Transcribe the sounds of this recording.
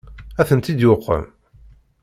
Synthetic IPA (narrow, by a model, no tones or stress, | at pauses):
æθənt̪id̪joqːə̰m